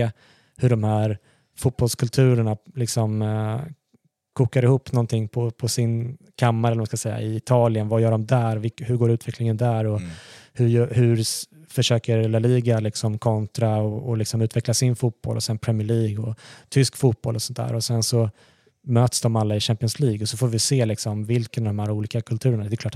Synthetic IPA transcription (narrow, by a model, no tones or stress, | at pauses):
hɵɖɔmhæːɾ | fʊt̪̚b̥ɔlskʰɵlt̪ʰʉ̟ːɾəɳalɪksɔm | kʰuːkaɾɪhuːpːnɔnt̪ʰɪŋːpʰɔpʰɔsɪnkʰamːaɾɛlːəɾmaskasɛjːa̰ɪɪt̪ʰɑːlɪənvajœːɖɔmd̪æːɾvɪhɵɾɡoːɾʉ̟ːt̪ʰvɛklɪŋənd̪æɾɔhɵjœhɵɾ | fœʂøːkəɾelːaliːɡalɪksɔmkʰɔnt̪ɾaɔɔlɪksɔmʉ̟t̪vɛklasɪnfuːt̪̚b̥ɔ̰lʔɔ̰sɛnpʰɾɛmɪəɭiːɡɔt̪ʰʏskfuːt̪̚b̥ɔlɔsɔnt̪d̪æ̰ːɾɔsɛnsɔ | møːt̪sd̪ɔmalːaɪʃæmpɪɔnsliːɡɔsɔfoːɾvɪseːlɪksɔmvɪlkənɔvd̪ɔmhæːɾuːliːkakʰɵlt̪ʰʉ̟ːɾəɳad̪ɛjəklɑːʈ